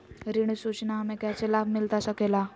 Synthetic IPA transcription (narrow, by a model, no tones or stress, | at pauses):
ɾiɳ̃isut͡ɕnamekjat͡selabʱmilt̪asakela